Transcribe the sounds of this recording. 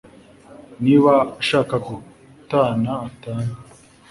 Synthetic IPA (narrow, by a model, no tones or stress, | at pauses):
niβaʃaːkaku | taːnaːtaːne